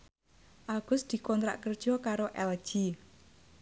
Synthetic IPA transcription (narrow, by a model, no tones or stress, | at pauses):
ʔaɡ̥ʊsd̪̥i̤kɔnt̪ɾa̰ʔkərd̥ʒ̥ɔ̤kaɾoʔɛl̥ʒ̥i